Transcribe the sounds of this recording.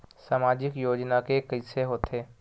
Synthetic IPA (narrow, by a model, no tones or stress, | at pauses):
saːmaːd͡ʒɪkjoːd͡ʒnakekəɪseɦoːt̪ʰeː